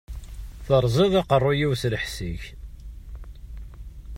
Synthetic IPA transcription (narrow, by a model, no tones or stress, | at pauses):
θəɾˤzˤeðˤɑqərˤːʊjiwsləħsiç